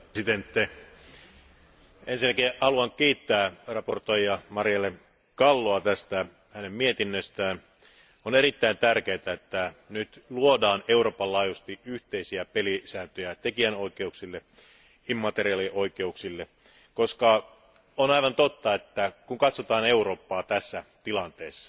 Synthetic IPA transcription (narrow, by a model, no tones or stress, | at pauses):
sit̪ent̪ːe | ensinːækihɑluɑŋkiːt̪ːæːrɑport̪ojjɑmɑrijɑle | kɑlːoɑt̪æst̪æ | hænemmiet̪inːøst̪æːn | oneɾit̪ːæint̪ærkeːt̪æet̪ːænyt̪luodɑːneuro̞ːpɑlːɑːjust̪iyht̪eisiæpelisæːnt̪øjæt̪ekiænoikeuksilːe | imːɑt̪eɾiɑliʔoike̞uksilːe | koskɑ | onɑiʋɑnt̪ot̪ːɑet̪ːækuŋkɑt̪sot̪ɑːne̞uro̞ːpːɑːt̪æsːæt̪ilɑnt̪eːsːɑ̥